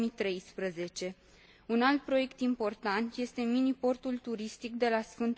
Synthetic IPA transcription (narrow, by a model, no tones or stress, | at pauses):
mit̪ɾe̞jspɾəze̞t͡ʃe̞ | unalt̪̚pɾo̞je̞kt̪impo̞rt̪ant̪je̞st̪e̞minipo̞rt̪ult̪uɾist̪ik̚d̪e̞lasfɨnt̪